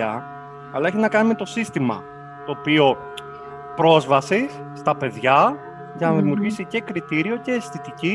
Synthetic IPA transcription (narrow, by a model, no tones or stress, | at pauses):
ɐ | ɐlɐeçinɐkɐnime̞t̪o̞sist̪imɐ̰ | t̪o̞ːpio̞ | pɾo̞zvɐsisːt̪ɐpe̞ðʝɐ | ʝɐnɐðimiuɾʝisice̞kɾit̪iɾio̞ce̞ːsθit̪ici